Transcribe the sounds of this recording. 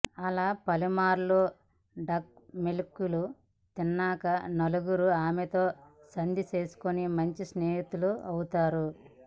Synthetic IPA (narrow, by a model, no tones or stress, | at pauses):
ɐlaːpɐlimaːɾlo | ɖɐk̚melkːulu | t̪inːaːkɐnɐluɡuɾuaːmet̪o̞ː | sɐnd̪ʱit͡ʃe̞ːsu̥konimɐɲt͡ʃisneːɦit̪uluɐwut̪aːɾu